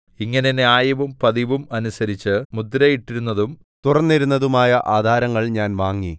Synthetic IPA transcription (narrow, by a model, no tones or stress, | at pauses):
iŋːɐneneaːjɐʋumpɐðiʋumɐnusɐɾit͡ɕːɨmud̪ɾɐjiʈːiɾunːɐðum | t̪urɐnːiɾunːɐðumaːjɐʔaːd̪ʱaːɾɐŋːɐɭɲaːnʋaːŋːi